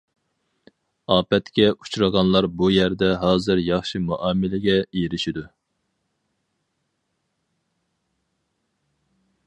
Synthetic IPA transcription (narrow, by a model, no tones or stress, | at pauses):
ɑːpɛt̪kʲɛʔut͡ʃʰuɾɨʁɑnlˠɑɾbujæɾd̪ɛɦɑːzɨɾjɑχʃimuʔɑːmɪlɪɡʲɛiɾɪʃid̪u